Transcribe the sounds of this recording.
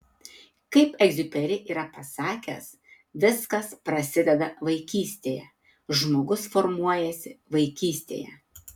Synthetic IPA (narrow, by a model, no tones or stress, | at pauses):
kɐɪpɛɡzʲʊpʲɛɾʲɪʔiːɾɐpɐsɑːkʲɛ̰s | ʋʲɪskɐspɾɐsʲɪd̪ʲɛd̪ɐʋɐɪkʲiːsʲt̪ʲeːjɛ̰ | ʒmoːɡʊsfɔɾmuɔjɛsʲɪʋɐɪkʲiːsʲt̪ʲḛːjɛ̰